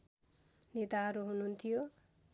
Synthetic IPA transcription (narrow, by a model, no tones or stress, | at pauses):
net̪aɦʌɾuɦununt̪ʰijo